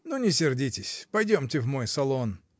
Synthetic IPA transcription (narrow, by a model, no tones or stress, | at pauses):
nunʲɪsʲɪrdʲitʲɪsʲpɐjdʲomtʲɪvmojsɐlˠo̞n